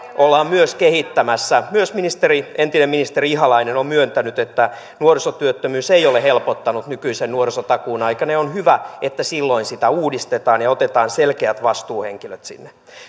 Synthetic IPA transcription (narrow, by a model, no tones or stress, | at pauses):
ʔolːɑːmmyøskehit̪ːæmæsːæmyøsminist̪erient̪inemminist̪eriiɦɑlɑinenommyønt̪ænyt̪et̪ːæ | nuorisot̪yøt̪ːømyːsejolehelpot̪ːɑnut̪nykyisennuorisot̪ɑkuːnɑikɑneonhyʋæet̪ːæsilːoinsit̪æuːdist̪et̪ɑːnjɑot̪et̪ɑːnselkeæt̪ʋɑst̪uːheŋkiløt̪sḭnːe